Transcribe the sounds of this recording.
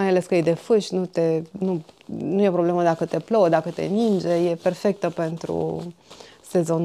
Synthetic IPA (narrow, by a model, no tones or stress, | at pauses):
ajale̞skəjejd̪e̞fɨʃʲnut̪e̞nunujepɾo̞ble̞məd̪akət̪e̞plowd̪akət̪e̞̰nind͡ʒe̞je̞pe̞rfe̞k̚t̪əpe̞nt̪ɾṵ | se̞zo̞n